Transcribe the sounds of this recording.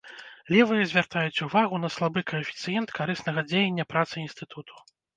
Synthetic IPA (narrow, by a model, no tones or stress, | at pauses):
lʲɛvɨjɐzʲvʲart̪ajut͡sʲuvaɣunɐslˠabɨkɐɐfʲit̪sɨjɛnt̪kʰaɾɨsnɐɣɐd͡zʲejɛnʲːɐpɾat̪sɨinst̪ɨt̪ʰut̪ʰu̥